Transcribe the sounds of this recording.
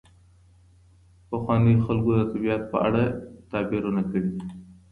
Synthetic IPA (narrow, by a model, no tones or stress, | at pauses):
pɐxwɑnixalkod̪ət̪abijɑt̪̚pəa̰ɽat̪ɑːbiɾunakəɽi